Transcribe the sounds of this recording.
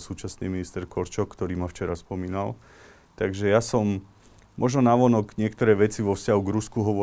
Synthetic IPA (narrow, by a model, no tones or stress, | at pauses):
suːt͡ʃasnḭːminist̪ɛɾkɔɾt͡ʃɔkːt̪ɔɾiːmaft͡ʃɛɾaspɔmiːnal | t̪aɡʒɛjasɔm | mʔɔʒnɔnaʋɔnɔɡɲɪɛkt̪ɔɾɛːʋɛt͡siʋɔfscaɦuɡɾuskuɦɔʋɔ